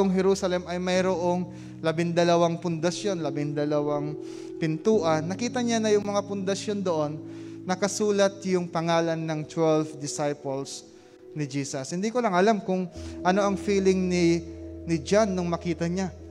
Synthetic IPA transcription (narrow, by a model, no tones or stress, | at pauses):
oŋɦɛɾuːsɐlɛmɐjmɐjɾoʔo̞ŋ | lɐbɪŋd̪ɐlɐwaŋpʊnd̪ɐsjo̞nlɐbɪŋd̪ɐlɐwaŋ | pɪnt̪uːʔɐnːɐkiːt̪ɐɲanɐjʊŋmɐŋapʊnd̪ɐʃjo̞nd̪oʔo̞nːɐkɐsuːlɐt̪̚jʊŋpɐŋaːlɐnːɐŋt̪wɛlfd̪ɪsajpols | nɪd͡ʒiːsɐshɪnd̪ikolɐŋɐlamkʊŋʔɐno̞ʔɐŋfiːlɪŋnɪnɪd͡ʒanːʊŋmɐkiːt̪ɐɲa